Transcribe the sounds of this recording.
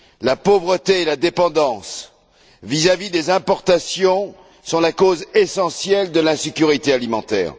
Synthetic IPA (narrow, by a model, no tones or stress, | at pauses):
lapovʁət̪eelad̪epɑ̃d̪ɑ̃s | vizavid̪ezɛ̃pɔʁt̪asjɔ̃ | sɔ̃lakozesɑ̃sjɛld̪əlɛ̃sekʲyʁit̪ealimɑ̃t̪ɛ̰ːʁ